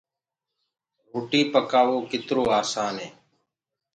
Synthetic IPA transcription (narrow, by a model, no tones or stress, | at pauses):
ɾuːʈiːpəkaːʋoːkɪt̪ɾoːaːsaːnɦeː